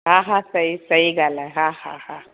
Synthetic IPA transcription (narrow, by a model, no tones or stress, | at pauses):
ɦãɦãsəisəiɡalaɦãhãhã